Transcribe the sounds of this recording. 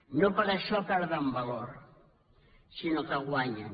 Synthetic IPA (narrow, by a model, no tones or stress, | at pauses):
nopaɾaʃɔpɛɾðambaloɾ | sinokaɣwaɲa